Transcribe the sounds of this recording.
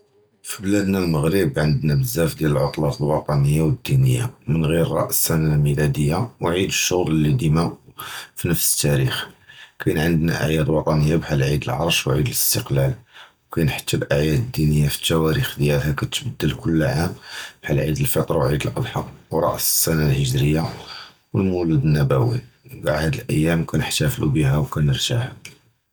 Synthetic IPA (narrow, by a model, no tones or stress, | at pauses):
fiblæd̪nælməɣɾəbʕənd̪næbəzːæfd̪jæləlʕʊt̪ˤlɑt̪ˤəlwɑt̪ˤɑnəjːawəd̪ːinəjːamənɣiɾɾˤɑ̰ʔsænalmilæd̪əjːawʕid̪əʃːʊɣɾlːid̪imæʔfinəfsə̥t̪ːæɾixkæjnʕənd̪næ̰ʔə̰ʕjæd̪lwɑt̪ˤɑnəjːabħalʕid̪əlʕɑ̰ɾˤʃwʕid̪ələst̪əqlælwkænħə̥t̪ːæbʔəʕjæd̪əd̪ːinəjːafi̥t̪ːæwæɾixd̪jælɦækæt̪bəd̪ːəlkʊlːʕambħalʕid̪əlfɑt̪ˤɾˤɑwʕid̪əlʔɑ̰d̪ħɑqwɾˤɑ̰ʔssænælhəʒɾəjːa | wəlmulud̪ənːæbæwibaʕhæd̪əlʔəjːæmkænəħt̪æflṵbiɦæwkænəɾt̪ahæ